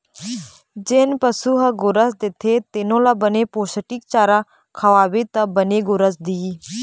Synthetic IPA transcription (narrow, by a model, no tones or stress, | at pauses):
d͡ʒenpəsuːɦəɡʊɾəsd̪ɪt̪ʰeːt̪ɪnõːlabəneːpoːsəʈik̚t͡ʃaːɾaː | kʰəʋaːʋet̪abəneːɡʊɾəsd̪iː